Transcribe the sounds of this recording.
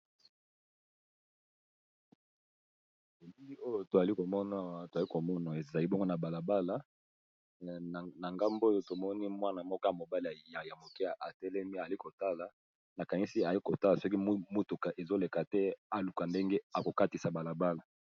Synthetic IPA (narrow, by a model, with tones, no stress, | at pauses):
e˨bi˦li˦o˦jo˦˨to˨za˨li˦ko˨mɔ˦na˨˦wa˨˦to˨za˨li˦ko˨mɔ˦na˨e˨za˨li˦bɔ˦ŋɡo˦na˨ba˨la˨ba˦la˨˦˨ | na˨ŋɡa˦mbo˦jo˦to˨mɔ˦ni˦mwa˦na˨mɔ˦kɔ˦ja˨mo˨ba˦li˦˨ja˨ja˨mo˨kɛ˦˨a˨tɛ˦lɛ˦mi˦a˨a˨li˦ko˨ta˦la˨ | na˨ka˨ni˦si˦a˨i˦ko˨ta˦la˨sɔ˦k̬i˦mo˦tu˨ka˨ʔe˨zo˦le˨ka˨tɛ˦a˨lu˨ka˨nde˦ŋɡe˦a˨ko˨ka˦ti˨sa˨ba˨la˨ba˦la˨